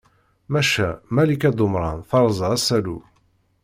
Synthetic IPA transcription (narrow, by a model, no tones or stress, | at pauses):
mæʃæmælikæd̪ˤʊmɾˤɑ̰nθɑɾˤzˤəʁæsælṵ